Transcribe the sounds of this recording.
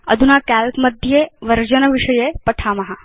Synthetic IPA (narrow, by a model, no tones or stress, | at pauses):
ə̰d̪ʱunakælkməd̪ʱjeʋɐɾd͡ʒənəʋiʂəjepɐʈʰaːmɐɦa